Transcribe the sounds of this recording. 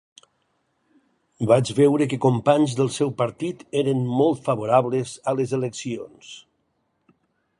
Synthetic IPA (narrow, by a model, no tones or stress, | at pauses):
bad͡ʒβɛwɾəkekompaɲzðəlˠsɛwpəɾt̪it̪eɾənmɔlˠt̪fəβoɾaβlezələzeleksions